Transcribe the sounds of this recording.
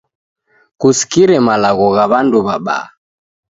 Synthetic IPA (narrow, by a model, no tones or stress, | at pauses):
kusi̥kiɾɛmalaɣɔɣaβanduβaɓa̰ː